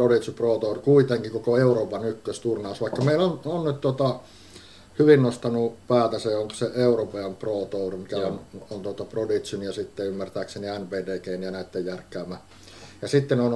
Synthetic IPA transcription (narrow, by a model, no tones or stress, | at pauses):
prodit̪siproːt̪ourkuit̪eŋkikokoeuroːpɑnykːøst̪urnɑusʋɑikːɑmeilononnyt̪t̪uot̪ɑ | hyʋinnost̪ɑnupæːt̪æseoŋko̥seʔeuropeɑmproːt̪ourmikæonont̪uot̪ɑprodit̪synjɑsit̪ːeymːært̪æːkseniænpeːdeːkeinijɑnæit̪ːejjærkːˑæːmːˑæ | jɑsit̪ːenon